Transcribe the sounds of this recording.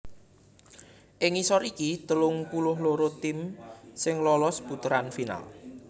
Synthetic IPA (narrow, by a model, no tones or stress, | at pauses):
ʔɪŋisɔɾikit̪əlʊŋpulʊɦloɾot̪ɪmsɪŋlɔlɔsb̥ut̪əɾanfina̰l